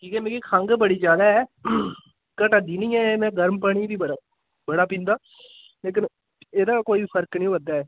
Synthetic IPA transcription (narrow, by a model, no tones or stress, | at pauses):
kiːkɛːmɛ̃ːkikʰaŋɡbəɽiːd͡ʒaːd̪aːɛː | kəʈəd̪iːnĩːɛːmɛ̃ːɡəɾmpəːɽ̃iːbiːbəa | bəɽaːpĩːnd̪aː | leːk̬ɪn | eːd̪aːkoːiːpʰəɾknĩːʋəd̪aːɛː